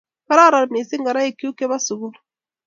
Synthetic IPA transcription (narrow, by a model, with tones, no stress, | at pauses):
ka˦ɾa˦˨ɾa˨lme˨si˦ŋɡa˨ɾa˦e˨ki˦u˦ke˦ba˦su˨ɡu˦ɾ